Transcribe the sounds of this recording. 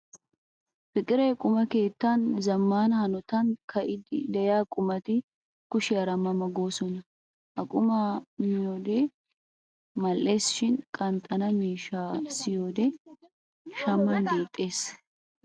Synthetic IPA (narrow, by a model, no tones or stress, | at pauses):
fɪkʼɪɾɐjkʼʊmɐke̞ːt̪ːɐnzɐmːaːnɐhɐnɔt̪ɐnkʰɐʔɪd̪ɪd̪ɛjaːkʼʊmɐt̪ɪ | kʊʃɪɐɾɐmːɐmɐɡoːsɔnɐ | ʔɐkʼʊmamɪjoːd̪eː | mɐlʔe̞ːsɪ̥ʃɪnkʼɐnt̪ʼɐnɐmiːʃaːsɪjoːd̪ɛ | ʃɐmːɐnbeːt̪ʼːe̞ːs